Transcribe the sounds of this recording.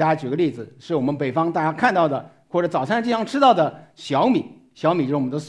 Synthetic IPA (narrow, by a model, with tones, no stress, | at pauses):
ja˥˧t͡ɕy˨˩ɡə˦li˥˩d͡zɹ̩˩ʂɻ̩˥˩wɔ˨˩mə˦npe˨˩ɪfɑ˥ŋt̪a˥˩t͡ɕja˥kʰa˥˧nt̪ɑ˥˩ʊd̪ə˩ | xwɔ˥˩ʈ͡ʂɤ˧˥t͡sɑ˨˩ʊsʰa˥˧˥t͡ɕi˥˧˩jɑ˥ŋʈ͡ʂʰɻ̩˥t̪ɑ˥˩ʊd̪ə˩ɕjɑ˧˥ʊmi˨˩˦ | ɕjɑ˧˥ʊmi˨˩t͡ɕo˥˧˥wɔ˨˩˧